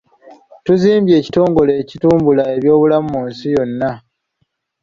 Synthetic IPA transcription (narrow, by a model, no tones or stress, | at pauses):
tuziːmbje̞ːci̥to̞ːŋɡo̞lecituːmbulae̞βjo̞ːβulammuːnsijo̞nːa